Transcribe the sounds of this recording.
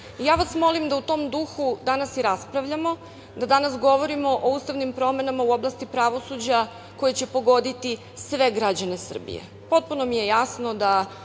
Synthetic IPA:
jaːʋasmo̞limd̪aut̪o̞ːmd̪uxud̪anasiɾaspɾaʋʎamo̞ | d̪ad̪anasɡo̞ʋo̞ɾimo̞ʔouːst̪aʋnimpɾo̞me̞namauo̞blˠast̪ipɾaʋo̞sud͡ʑa | ko̞jet͡ɕe̞po̞ɡo̞d̪it̪i | sʋe̞ɡɾad͡ʑane̞sr̩bḭjḛ | po̞t̪̚puno̞mije̞jasnod̪a

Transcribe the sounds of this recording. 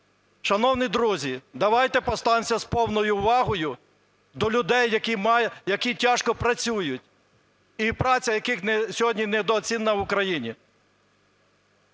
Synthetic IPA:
ʃɐnɔwnid̪ɾuzʲid̪ɐʋɑjt̪ɛpɔst̪ɑnʲmsʲɐspɔwnɔjʊʋɑɦɔjʊ | d̪ɔlʲʊd̪ɛjːɐkʲimjɐkʲitʲaʃkɔpɾɐt͡sʲujʊtʲ | ipɾɑt͡sʲɐjɐkɪxnsʲɔɦɔdʲnʲinɛd̪ɔːt͡sʲinːɐʋʊkɾɐjinʲi

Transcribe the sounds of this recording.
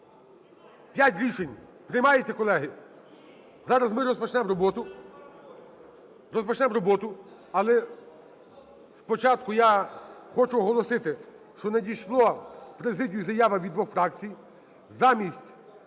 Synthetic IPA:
pʲjatʲɾʲiʃenʲ | pɾɪjmɑjet͡sʲːɐkɔlˠɛɦɪ | zɑɾɐzmɪɾɔspɔt͡ʃnɛmrɔbɔt̪ʊ | ɾɔspɔt͡ʃnɛmɾɔbɔt̪ʊ | ɐlˠɛ | spɔt͡ʃɑt̪̚kʊjaxɔt͡ʃʊɔɦɔlˠɔsɪt̪ɪ | ʃt͡ʃɔnedʲijʃlˠɔpɾezɪdʲʊjuzɐjɑʋɐʋʲid̪ʋɔxfɾɑkt͡sʲij | zɑmʲisʲtʲ

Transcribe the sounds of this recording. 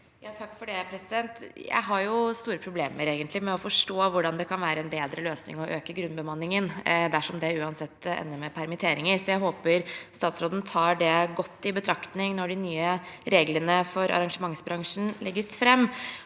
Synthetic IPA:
jɑːt̪ʰɑkːfɔɖɛpʰɾɛsɪd̪ɛnt̪jæ̰ɪɦɑɾjʊst̪uːɾəpʰɾʊbleːməɾeːɡənt̪lɪmɛɔfɔʂʈoːʋʊɖɑnd̪ɛkʰɑnʋæːɾəɛnbeːd̪ɾəløːsnɪ̰ŋɔʔøːkəɡɾʉnbəmɑnːɪŋənd̪æʂɔmd̪ɛʉːɑnsɛt̪ːɛ̰nːəɾmɛpʰæɾmɪt̪ʰeːɾɪŋəɾsɔjæɪɦoːpəɾst̪ɑːt̪sɾoːd̪ən̩t̪ʰɑːɖɛɡɔt̪ːɪbət̪ʰɾɑkt̪nɪŋnɔɖɪnyːəɾeːɡlənəfɔɾɑ̰ɾɑŋʂəmɑŋsbɾɑŋʂn̩lɛɡːəsfɾɛmː

